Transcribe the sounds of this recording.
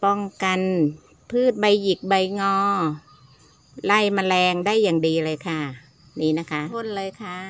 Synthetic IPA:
pɔ˧˩ŋka˧n | pʰɯː˥˩t̪̚ba˧jːi˨˩k̚ba˧jŋɔː˧ | la˧˩jma˧lɛː˧ŋdaː˥˩jːaː˨˩ŋdiː˨˧lɤː˧jkʰa˧˥˩ | niː˦˥na˦˥kʰa˦˥ʔʰo˧˥˨nlɤː˧jkʰa˦˥˩

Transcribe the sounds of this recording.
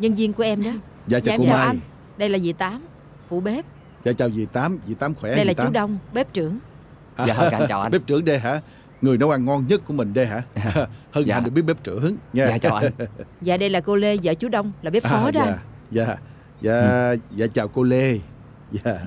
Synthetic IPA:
ɲɨ˧ŋzi˧ŋku˧˩əʔɛ˧mɗɔ˨˦ | za̰ː˧˨t͡ɕa˨˧t͡ɕam˨a˨˧n | ɗə˧jlaː˨˩zi˨˩t̪aː˨˦m | fṵ˧˩ɓe˦˥p̚ | za̰ː˧˨˩t͡ɕaː˨˩wzi˨˩t̪aː˨˦mzḭ˨˧˩t̪aː˨˦mkxwɛ˧˩ɗə˧jlaː˨˩t̪t͡ɕu˦˨˦ɗə˧wŋ͡mɓe˦˥p̚t͡ɕɨ˧˩əŋ | ʔaː˨˧aː˧˨˩ɓe˦˥p̚t͡ɕɨ˧˩əŋɗe˧jɦa̰ː˧˥ | ŋɨ˨˩əjnɔ˨˦wʔa˧ŋːɔ˧nɲə˦˥t̚ku˧˩əmï˨˩ŋ̟ɗə˧jɦa̰ː˧˥˧hə˧ŋa˨nɨ˨˩ɓi˦˥ət̚ɓe˦˥p̚t͡ɕɨ̰˧˩˦əŋŋɛ˧˨za̰ː˨˩ɗə˧jlaː˨˩ko˧le˧zə̰ː˧˦t͡ɕu˨˦ɗə˧wŋ͡mlaː˨˩ɓe˦˥ʔ̚ɔ˨˦ɗaː˧˨ | za̰ː˨˩ | za̰ː˧˨za̰ː˧˨t͡ɕaː˨˩wko˧le˧ | zaː˧˩

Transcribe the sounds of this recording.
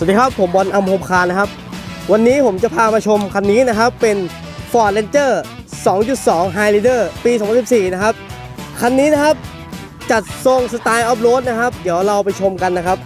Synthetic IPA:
so˨˩t̚diː˧kʰpʰːo˩˦mbɔː˧nʔa˧mpʰo˧mkʰaː˧nːa˦˥kʰa˦˥p̚wa˧nːiː˦˥pʰo˩˦mt͡ɕa˨˩pʰaː˧maː˧t͡ɕʰo˧mkʰa˧nːiː˦˥na˦˥kʰa˦˥pːe˧n | fɔː˧˩t̪̚le˧nt͡ɕɤː˥˩ | sɔː˩˦ŋt͡ɕu˨˩t̪̚sɔː˩˦ŋɦaː˧jliː˧dɤː˥˩piː˧sɔː˨˦ŋpʰnsi˨˩p̚siː˨˩na˦˥kʰa˦˥p̚ | kʰa˧nːiː˦˥na˦˥kʰa˦˥p̚ | t͡ɕa˨˩t̪̚so˧˩ŋsa˧t̪aː˧jʔɔː˦˥p̚loː˦˥t̪̚na˦˥kʰa˦˥p̚di˩˦əwɾa˧wpa˧jt͡ɕʰo˧mka˧nːa˦˥kʰa˦˥p̚

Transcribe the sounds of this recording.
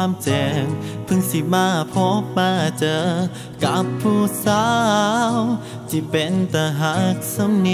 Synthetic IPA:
mt͡ɕɛ˨˩ŋpʰɯ˧ŋsi˧˨˩maː˧˥˩pʰɔ˧˥maː˧˩t͡ɕəː˧˦ | ka˧˨˥pʰːu˧˩saː˧˥˧w | t͡ɕi˧˩pe˨nt̪aː˧˩ɦa˧˥sə˧˥mni˧

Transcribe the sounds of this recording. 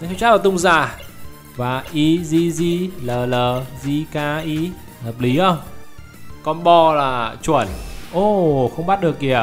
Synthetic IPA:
a˨˦t̪ʰwt͡ɕaː˦˥laː˨˩t̪ʊ˧wŋ͡mzaː˧˨˩ | vaː˨˩ʔi˧zi˧zi˧ləː˨˩ləː˨˩zi˧kaː˧ʔi˧˦ | həː˨˩p̚li˨˦ʔə˧wŋ͡m | kɔ˧nɓɔ˧laː˨˩t͡ɕwi˧˩ənʔo˧˩xə˧wŋ͡mɓaː˦˥t̚ɗɨ˨˩əkːi˨˩ə

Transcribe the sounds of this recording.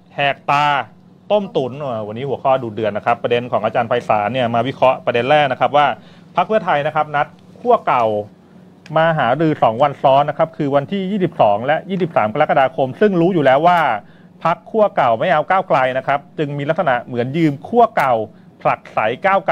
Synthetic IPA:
hɛː˨˩k̚t̪aː˧ | t̪o˥˩mt̪u˩˦nʔa˧˩wa˧nːiː˦˥hu˩˦əkʰɔː˥˩duː˨˩t̪̚dɯ˨˩ənːa˦˥kʰa˦˥pːɾa˧de˧nkʰɔː˩˦ŋʔːt͡ɕaː˧npʰa˧jsa̰ː˩˦ni˥˩maː˧wi˦˥kʰɾɔ˦˥pɾa˧de˧nɾɛː˥˩k̚na˦˥kʰa˦˥p̚waː˥˩ | pʰa˦˥k̚pʰɯ˥˩ɐət̪ʰa˧jna˦˥kʰa˦˥p̚na˦˥t̪̚ | kʰu˥˩ɐka˨˩w | maː˧ɦaː˩˦ɾɯː˧sɔː˩˦ŋwa˧nsɔː˦˥nːa˦˥kʰa˦˥p̚kʰɯː˧wa˧nt̪ʰiː˥˩jiː˥˩i˨˩p̚sɔː˩˦ŋlɛ˦˥ʔjiː˥˩si˨˩p̚saː˩˦mka˧a˦˥ka˧aː˧kʰo˧msɯ˥˩ŋɾuː˦˥juː˨˩lɛː˦˥wːaː˥˩ | pʰa˦˥kʰːu˥˩ɐka˨˩wma˥˩jʔa˧wkaː˥˩wkla˧jna˦˥kʰa˦˥p̚t͡ɕɯ˧ŋmiː˧la˦˥k̚sa˧na̰˨˩ʔmɯ˩˦ənjɯː˧mkʰu˥˩ɐka˨˩w | pʰla˨˩k̚sa˩˦jkaː˥˩wk

